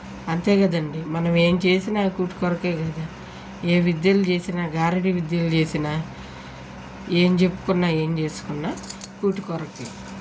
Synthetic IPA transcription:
ɐnt̪e̞ːɡɐd̪ɐɳɖimɐnɐme̞ːmt͡ʃe̞ːsinaːkuːʈi̥kɔɾɐkeːɡɐd̪aː | eːʋid̪jɐlut͡ʃe̞ːsinaːɡaːɾiɽiʋid̪jɐlut͡ʃe̞ːsinaː | eːmt͡ʃe̞pːu̥kunːaːe̞ːmt͡ʃe̞ːsu̥kunːaː | kuːʈikɔɾɐkːeː

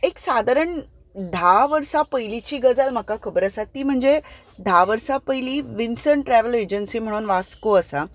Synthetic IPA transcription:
eksad̪ʱaɾəɳ | d̪ʱaʋəɾsapəjlit͡ɕiːɡəd͡zalm̤əkakʰəbəɾəsat̪ːiːm̤əɳd͡ze | d̪ʱaʋəɾsapəjliːʋinsəɳʈɾɛʋəled͡ʑənsiːm̤əɽ̃uːnʋaskoəsa

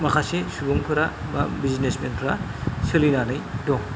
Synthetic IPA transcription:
mɐkʰasisubuŋpʰɯɾamabiznesmenpʰɾa | silinanɯjdɔŋ

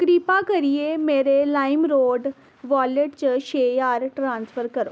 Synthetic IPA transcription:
kɾiːpaːkəɾieːmeːɾelaːɪmɾoːɖ | ʋaːleʈt͡ʃəʃeːjaːɾʈɾãːnspʰəɾkəɾoː

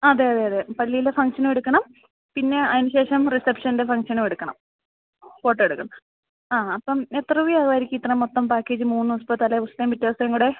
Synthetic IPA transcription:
ɐðe̞ɐðeɐðepɐlːijilefɐŋʂɐnumeɽukːɐɳɐm | pinːe̞ɐðinuɕe̞ːʂɐmrisepʂɐninde̞fɐŋʂɐnumeɽukːɐɳɐ̰m | po̞ːʈːeɽukːɐɳɐm | aːɐpːɐmet̪rɐʋijaːɣɐaːɾikʲːit̪rɐɐmot̪ːɐmpaːkːe̞ːd͡ʑɨmuːnːuɐspɐt̪ːaːleʋustɐmʋitːɐʋɐsɐeŋkuːɽe̞

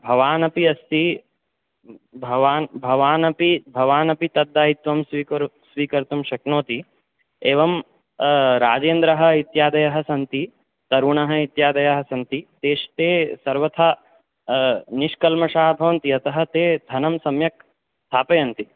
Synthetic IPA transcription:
bʱɐʋaːnɐpiɐst̪i | bʱɐʋaːnbʱɐʋaːnɐpibʱɐʋaːnɐpit̪ɐd̪ːaːɦit̪ʋɐmsʋikɾsʋiːkɐɾt̪umʃɐknoːt̪i | eːʋɐm | ɾaːd͡ʒeːnd̪ɾɐɦɐ̆it̪jaːd̪ɐjɐɦɐ̆sɐnt̪i | t̪ɐɾuːɳɐɦɐ̆it̪jaːd̪ɐjɐɦɐ̆sɐnt̪it̪eːʃɐ̥t̪eːsɐɾʋɐt̪ʰa | niʃkɐlmɐʃaːɦɐbʱɐʋɐnt̪iɐt̪ɐɦɐt̪eːd̪ʱɐnɐmsɐmjɐk̚ | st̪ʰaːpɐjɐnt̪i

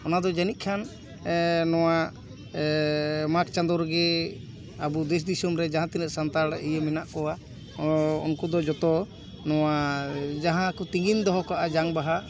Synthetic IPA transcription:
ɔnad̪ɔd͡ʒanit̪̚kʰan | nɔwa | mak̚t͡ʃand̪ɔɾɡɛ | abud̪ɛs̬d̪isɔmɾɛd͡ʒaɦãt̪inɛʔ̪sant̪aɽijemɛnaʔkɔwa | ɔ̰nkɔd̪ɔd͡ʒɔt̪ɔ | nɔwad͡ʒaɦãkut̪iŋɡind̪ɔɦɔkaʔad͡ʒaŋbaɦa

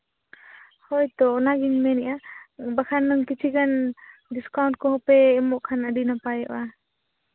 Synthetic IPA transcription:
hɔjt̪ɔːnaɡiŋmɛnɛʔabakʰanːɯŋkit͡ʃʰiɡanɖiskawnʈ̚kɔɦɔpɛːmɔʔkʰanaɖinapajɔʔa

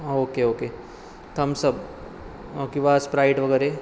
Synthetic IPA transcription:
oːkeoːke | t̪ɐmsɐb | okiʋaːspɾaːɪʈʋɐɡɛːɾe

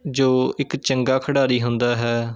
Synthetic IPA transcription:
d͡ʒoːɪkt͡ʃəŋɡaːkʰəɽaːɾiːɦʊnd̪aːɦɛː

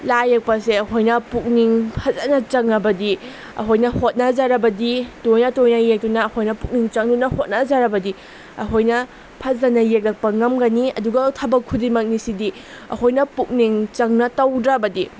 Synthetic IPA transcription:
lajɐk̚pɐseɐɦojnɐpuk̚niŋpʰɐzɐnɐt͡ʃɐŋɐbɐdi | ɐ̰ɦojnɐhot̚nɐd͡ʒaɾɐbɐditojnɐtojnɐjek̚tunɐːhʰojnɐpuk̚niŋt͡ʃɐŋdunɐhot̚nɐd͡ʒaɾɐbɐdi | ɐɦojnɐ | pʰɐzɐnɐjek̚lɐk̚pɐŋɐmɡɐniɐduɡɐtʰɐbɐkʰudimɐk̚nisidi | ɐ̰hojnɐpuk̚niŋt͡ʃɐŋnɐtɐwdɾabɐdi

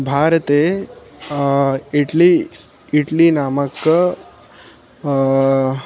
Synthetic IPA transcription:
bʱaɾt̪e | iʈli | iʈliːnamək

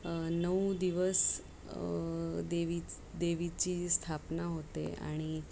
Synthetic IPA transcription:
nəwd̪iʋəs | d̪eʋi | d̪eʋit͡ɕiːst̪ʰapnaɦot̪ḛa̰ɽ̃i

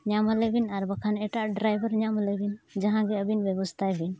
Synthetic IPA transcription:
ɲaməlɛbinaɾbakʰanɛʈaʔɖɾajbəɾɲaməlɛbind͡ʒaɦãɡɛəbinbɛbɔst̪ʰabʱin

